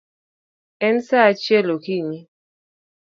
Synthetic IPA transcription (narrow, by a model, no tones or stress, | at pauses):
ɛnsat͡ʃjɛlokiɲi